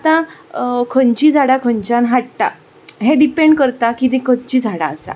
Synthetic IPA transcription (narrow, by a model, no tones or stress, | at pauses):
at̪ã | kʰəɲt͡ɕid͡zʱaɽakʰəɲt͡ɕãnɦaɽʈa̰ | ɦeɖipeɳɖkəɾt̪akit̪ĩkʰəɲt͡ɕid͡zʱaɽa̰ːsa̰